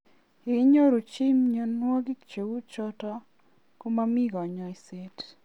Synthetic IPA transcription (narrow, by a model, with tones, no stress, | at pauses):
i˨˦ɲo˦ɾo˨t͡ʃi˦mɲo˨nwo˦ɡɪ˦kt͡ʃe˨wu˦t͡ʃɔ˦tɔ˦ | ku˦ma˦mi˦ɡɔ˨ɲɔ˨i˨se˦t